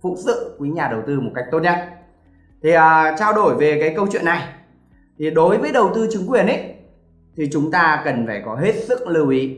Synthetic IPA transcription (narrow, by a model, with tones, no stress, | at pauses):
fṵ˧˥sɨ̰˧˨kwi˨˦ɲaː˨˩ɗə˨˩wt̪ɨ˧mo˨˩t̚ka˦˥jk̚t̪o˦˥t̚ɲə̰˧˨n | t̪ʰi˨˩ʔəː˨˩t͡ɕaː˧wɗo˧˩jve˨˩kaː˨˦jkə˧wt͡ɕwḭ˧˨ənːa˨˩j | t̪ʰi˨˩ɗo˨˦jvəː˨˦jɗə˨˩wt̪ɨ˧t͡ɕï˨˦ŋkwi˨˩ənʔə˨˦j | t̪ʰi˨˩t͡ɕʊ˨˦ŋ͡mt̪aː˧kə˨˩nfaː˧˩jkɔ˨˦ɦe˦˥t̚sɨ̰˧˥k̚lɨ˨˩wʔi˨˦